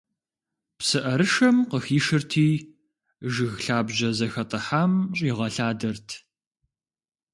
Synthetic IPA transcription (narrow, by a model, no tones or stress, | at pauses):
psɨʔɐɾɨʃɐmqəxiːʃɨrtʰiː | ʒɨɣɬaːbʑɐzɐxɐtʼɐħaːmɕʼiʁɐɬaːdɐrtʰ